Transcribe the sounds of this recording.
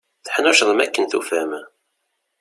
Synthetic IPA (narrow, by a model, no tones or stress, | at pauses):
θħnʊʃðˤəmæ̰kːənθufæm